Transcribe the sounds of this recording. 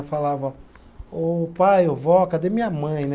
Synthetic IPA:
falavɐ | opajovɔkɐd̪emĩɲɐmɐ̃j̃n

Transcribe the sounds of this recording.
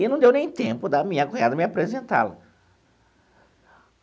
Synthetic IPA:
inɐ̃w̃d̪ewnẽj̃t̪ẽmpʊd̪ɐmĩɲɐkoad̪ɐmiapɾezẽnt̪a̰lɐ̰

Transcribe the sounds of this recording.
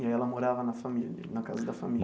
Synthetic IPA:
ɐɛlɐmoɾavɐnɐfamiljɐ̰nɐka̰zɐd̪ɐfami

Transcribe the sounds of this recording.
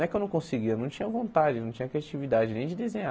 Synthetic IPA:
ɛkɪewnɐ̃w̃kõsɪɡiɐnɐ̃w̃t͡ʃĩɲɐvõnt̪ad͡ʒɪnɐ̃w̃t͡ʃĩɲɐkɾeat͡ʃivid̪ad͡ʒɪnẽj̃d͡ʒɪd̪ezẽɲa

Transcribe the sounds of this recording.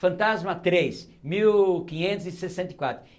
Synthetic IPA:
fɐ̃nt̪azmɐt̪ɾejs | miwkĩɲẽnt̪ʊzɪsesẽnt̪ɐikwat̪ɾʊ

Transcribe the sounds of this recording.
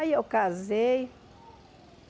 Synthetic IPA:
jokazej

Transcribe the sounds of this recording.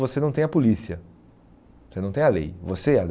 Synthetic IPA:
vosenɐ̃w̃t̪ẽɐpulisiɐ | osenɐ̃w̃t̪ẽalḛjvoseɛal

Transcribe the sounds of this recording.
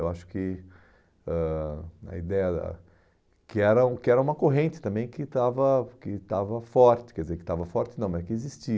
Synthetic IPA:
ewaʃʊ̥kɪ | ɛɐ̰id̪ɛjɐd̪ɐ̰ | kɪɛɾɐũkɪɛɾɐũmɐkoɦẽnt͡ʃɪ̥t̪ɐ̃mbẽj̃kɪt̪avɐkɪt̪avɐfɔɾt͡ʃɪ̥kɛɾd͡ʒɪzeɾkɪ̥t̪avɐfɔɾt͡ʃɪnɐ̃w̃ɛkɪezist͡ʃi

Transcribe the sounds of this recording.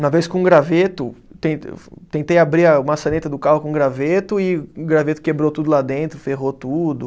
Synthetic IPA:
umɐveskõũɡɾavet̪ʊt̪ḛ̃t̪ẽnt̪ejabɾiɾɐũmɐsɐ̃net̪ɐd̪ʊkahʊkõũɡɾavet̪ʊɪʊɡɾavet̪ʊ̥kebɾot̪ud̪ʊlad̪ẽnt̪ɾʊfeɦot̪ud̪ʊ

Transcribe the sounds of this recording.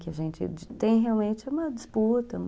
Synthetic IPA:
kɪaʒẽnt͡ʃɪ̰t̪ẽj̃ɦeawmẽnt͡ʃɪũmɐd͡ʒɪsput̪ɐ

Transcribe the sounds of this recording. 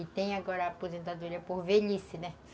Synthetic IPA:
ɪt̪ẽj̃aɡɔɾɐaːpozẽnt̪ad̪uɾiɐpoɾveʎisɪnɛ

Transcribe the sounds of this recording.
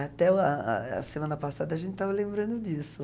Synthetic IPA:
at̪ɛa̰ɐ̰semɐ̃nɐpasad̪ɐʒẽnt̪ɪ̥t̪avɐlẽmbɾɐ̃nd̪ʊd͡ʒisʊ

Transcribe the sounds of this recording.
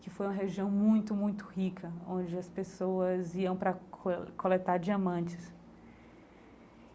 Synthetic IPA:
kɪfojũmɐɦeʒiɐ̃w̃mũj̃t̪ʊmũj̃t̪ʊ̥hikʰɐõd͡ʒɪɐspesowɐziɐ̃w̃pɾɐkʰolet̪aɾd͡ʒiɐmɐ̃nt͡ʃɪs

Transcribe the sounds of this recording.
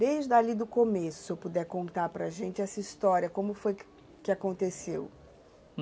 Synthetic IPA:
d̪ejzʒd̪alid̪ʊkomesʊ̥sewpud̪ɛɾkõnt̪aɾpɾɐʒẽnt͡ʃɪɛsɐist̪ɔɾiɐkõmʊfoj | kɪakõnt̪esew

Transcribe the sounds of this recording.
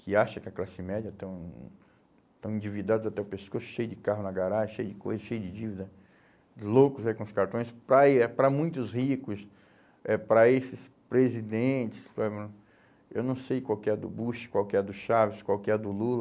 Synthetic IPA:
kɪaʃɐkɪɐklasɪmɛd͡ʒɐt̪ɐ̃w̃ | t̪ɐ̃w̃ĩd͡ʒivid̪ad̪ʊzat̪ɛʊpeskosʊ̥ʃejʊd͡ʒɪkaɦʊnɐɡaɾaʒɐʃejʊd͡ʒɪkojzɐʃejʊd͡ʒɪd͡ʒivid̪ɐ | lokʊzaikõʊskaɾt̪õj̃spɾɐpɾɐmũj̃t̪ʊzhikʊs | ɛpɾɐesɪspɾezid̪ẽt͡ʃɪ̥slẽmɾɐ̃ | ewnɐ̃w̃sejkwawkɪɛd̪ʊ̰buʃɪ̥kwawkɪɛd̪ʊʃavɪskwawkɪɛd̪ʊlulɐ

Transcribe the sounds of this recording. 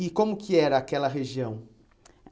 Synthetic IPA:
ɪkõmʊkʰɪɛɾɐːkɛlɐɦeʒiɐ̃w̃

